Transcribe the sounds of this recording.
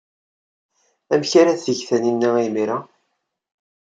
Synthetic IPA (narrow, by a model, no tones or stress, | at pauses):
æmçaɾæθəʝθæninːæimiɾa